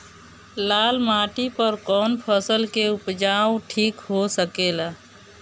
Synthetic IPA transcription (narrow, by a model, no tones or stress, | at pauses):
laːlmaːʈipəɾkɔːnpʰəsəlkeʊpd͡ʒawʈʰiːkɦosəkeːlaː